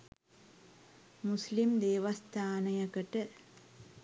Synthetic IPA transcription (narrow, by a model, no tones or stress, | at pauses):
mʊslimd̪eːʋɐst̪ʰaːnɐjɐkːɐʈːɨ